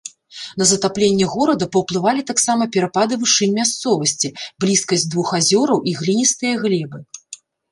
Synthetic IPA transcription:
n̪ɐzɐt̪aplʲenʲːɛɣɔɾɐd̪ɐpɐwplˠɨvalʲit̪aksamɐpʲɛɾapad̪ɨvɨʂɨnʲmʲast̪sɔvɐsʲt͡sʲiblʲiskɐsʲd̪vuxazʲɔɾɐwʔiɣlʲinʲist̪ɨjɐɣlʲɛbɨ

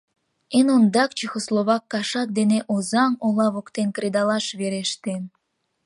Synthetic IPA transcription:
enond̪ɑkt͡ɕixoslˠoβɑkːɑʃɑt̪̚d̪eneʔozɑŋolˠɑβokt̪enkɾed̪ɑlˠɑʃβeɾeʃt̪en

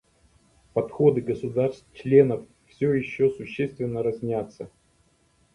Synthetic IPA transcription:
pɐt̪xo̞d̪ɨɡəsʊd̪arst̪t͡ɕlʲe̞nəf | fsʲojɪɕːosʊɕːest̪vʲɪnːəɾɐzʲnʲat̪sːə

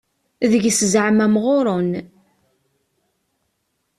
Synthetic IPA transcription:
ðəʝszʕmæmʁoɾˤon

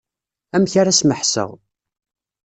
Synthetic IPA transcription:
æmçaɾasməħsə̰ʁ

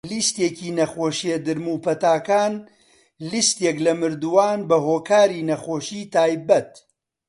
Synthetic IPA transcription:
list̪eːkiːnɐχoːʃied̪ɨɾmuːpʰɐt̪aːkaːn | list̪eklɐmɨɾd̪uwaːnbɐɦoːkʰaːɾiːnɐχoːʃiːt̪ʰaːjbɐt̪̚

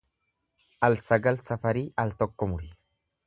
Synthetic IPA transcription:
ʔɐlsɐɡɐlsɐfɐɾiʔɐlt̪ɔkːɔmʊɾɪ

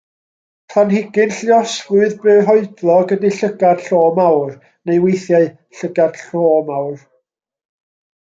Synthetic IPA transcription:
pʰanhɪɡɨnɬjɔsvʊɨðbɨːɦɔɨdlˠɔɡədiɬəɡad̥ɬoːmawr | nejwejθjaɨ | ɬəɡad̥ɬoːmawr

